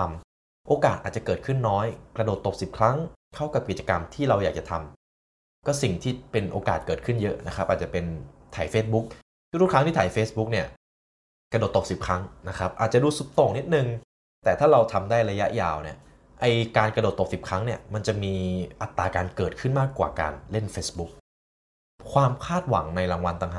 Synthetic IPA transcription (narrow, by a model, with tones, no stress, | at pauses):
a˧m | ʔoː˧kaː˨˩t̪̚ʔaː˨˩t̪̚t͡ɕa˨˩kɤː˨˩kʰɯ˥˩nːɔː˦˥jkɾa˧doː˨˩t̪ːo˨˩p̚si˨˩p̚kʰɾa˦˥ŋkʰa˥˩wka˨˩p̚ki˨˩t̪̚t͡ɕa˧ka˧mt̪ʰiː˥˩ɾa˧wjaː˨˩k̚t͡ɕa˨˩t̪ʰa˧m | kɔː˥˩si˨˩ŋt̪ʰiː˥˩pe˧nʔoː˧kaː˨˩t̪̚kɤː˨˩t̪̚kʰɯ˥˩njɤ˦˥na˦˥kʰa˦˥p̚ʔaː˨˩t̚t͡ɕa˨˩pe˧nt̪ʰaː˨˩˦jfeː˦˥t̪̚bu˦˥k̚ | ɾu˥˩kʰa˦˥ŋʰiː˥˩t̪aː˩˦jfeː˦˥sbu˦˥k̚ni˥˩ɐ | kɾa˧do˨˩t̪ːo˨˩k̚si˨˩p̚kʰa˦˥ŋna˦˥kʰa˦˥p̚ʔaː˨˩t̪̚t͡ɕa˨˩duː˧su˨˦˥p̚t̪o˨˩ŋni˦˥t̪̚nɯ˨ŋ | t̪ɛː˨˩t̪ʰaː˥˩ɾa˧wt̪ʰa˧mdaː˥˩jɾa˧ja˦˥ʔjaː˧˩wni˥˩ɐ | ʔa˧jkaː˧nka˧doː˨˩t̪ːo˨˩k̚si˨˩p̚kʰa˦˥ŋni˥˩ɐma˧nt͡ɕa˨˩miː˧ʔa˨˩t̪ːaː˧kaː˧nkɤː˨˩t̪̚kʰɯ˥˩nmaː˥˩kːwa̰ː˨˩ka̰ː˧nle˥˩nfeː˦˥sbu˦˥k̚ | kʰwaː˧mkʰaː˥˩t̪̚wa̰˩˦ŋna˧jɾaː˧ŋwa˧nt̪a˧ŋɦaː˨˩